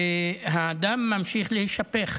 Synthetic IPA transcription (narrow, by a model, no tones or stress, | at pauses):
eɦaːd̪amːamʃiχlehiʃape̞χ